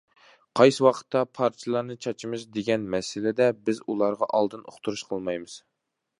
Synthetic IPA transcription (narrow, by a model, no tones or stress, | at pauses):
qʰɑjsɨwɑqʰə̥t̪ʰːɑpʰɑɾt͡ʃʰɨlˠɑɾnɨt͡ʃʰɑt͡ʃʰimɨʃd̪eɡʲɛnmɛsɪlɪd̪ɛbɪzulˠɑɾʁɑʔɑlˠd̪ɨno̰χt̪ʰuɾuʃqʰəlˠmɑjmɨz̥